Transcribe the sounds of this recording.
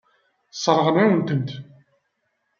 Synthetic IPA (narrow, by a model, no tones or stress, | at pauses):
sˤɾˤəʁnawənt̪ənt̪